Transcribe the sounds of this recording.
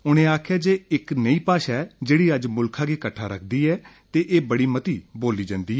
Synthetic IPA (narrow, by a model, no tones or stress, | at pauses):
ʊñẽːaːkʰjaːd͡ʒeːɪknəiːpaːʃaɛd͡ʒeːɽiːəd͡ʒmʊlkʰãːkiːkəʈʰːaːɾəkʰd̪iːɛːt̪eːʔeːbəɽiːmət̪iːboːliːd͡ʒãːnd̪iːɛː